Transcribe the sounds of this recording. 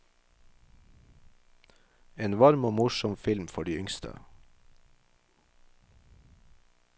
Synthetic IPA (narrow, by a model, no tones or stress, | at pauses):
eːnʋɑɾmoːmʊʃɔmfɪlmfɔɖiːʏŋst̪ʰə̰